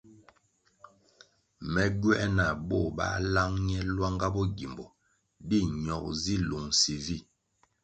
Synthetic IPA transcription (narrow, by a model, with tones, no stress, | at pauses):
mɛ˨ɡɥɛ˦ʔna˨bɔ˦˨ba̰˦la˦ŋɲɛ˦lwa˦ŋɡa˦bɔ˦ɡi˨mbɔ˨ | di˦˨ɲɔ˨k̚zi˦lu˨ŋsi˨vi˦˨